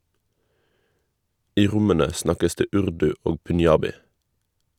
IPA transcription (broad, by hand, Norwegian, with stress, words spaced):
ˈiː ˈʁʊmənə ˈsnɑkəs ˈdeː ˈʉʁdʉ ˈoː pʉnˈjɑːbɪ